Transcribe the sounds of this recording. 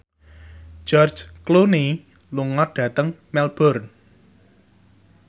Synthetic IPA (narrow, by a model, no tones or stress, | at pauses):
d͡ʒ̥ɔrd͡ʒkluni | luŋɔɖ̥ä̤t̪əŋmɛlb̥ɔrn